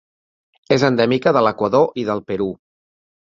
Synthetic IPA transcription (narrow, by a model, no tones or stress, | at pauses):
ezənd̪ɛmikəðələkwəðoʔiðəlˠpəɾu